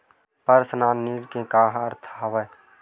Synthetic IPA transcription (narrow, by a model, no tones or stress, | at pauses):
pəɾsnaːniːɾkẽkaːɦəɾt̪ʰːɐʋəj